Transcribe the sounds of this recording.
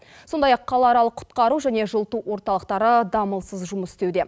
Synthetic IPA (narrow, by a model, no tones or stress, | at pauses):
so̞nd̪ɑjɑqʰːɑlˠɑɑɾɑlˠəqʰʊ̥t̪qɑɾuʒæne̞ʒəlˠt̪uwo̞ɾt̪ɑlˠəqt̪ɑɾəd̪ɑməlˠsəzʒʊməsɪst̪e̞wd̪e̞